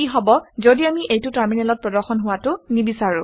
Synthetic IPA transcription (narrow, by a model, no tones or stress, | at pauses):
iɦɔbɔzodiamiʔejtʊtaɹminɛlɔt̚pɹɔdɔɹxɔnɦʊwatʊnibisaɹʊ̃